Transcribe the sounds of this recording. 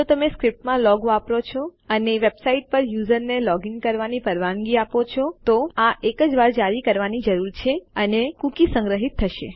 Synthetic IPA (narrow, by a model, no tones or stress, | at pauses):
d͡ʒot̪əmeskɾɪp̚ʈmãlɔɡoapɾot͡ʃʰoəneʋebsaiʈ̚pəɾjuzəɾnelɔɡɪŋɡ̚kəɾʋanipəɾʋãŋɡiapot͡ʃʰot̪oaʔekəd͡ʒʋaɾd͡ʒaɾikəɾʋanid͡ʒəɾuɾt͡ʃʰeənekũkisə̃ŋɡɾəɦit̪ʰːəʃḛ